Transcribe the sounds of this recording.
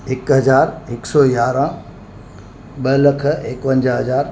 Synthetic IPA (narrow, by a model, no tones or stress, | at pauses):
ɪkɦɐzaːɾɪksɔjaːɾãː | ɓɐlɐkʰəekpɐ̃ɲd͡ʑəɦɐzaːɾ